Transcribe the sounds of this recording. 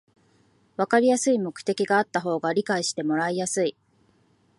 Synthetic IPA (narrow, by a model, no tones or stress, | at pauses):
βakaɾʲijasɨimo̞kɯ̟̥t̪e̞kʲiɡaːt̪ːaɦo̞ːɡaɾʲikaiɕi̥t̪e̞mo̞ɾaijasɨi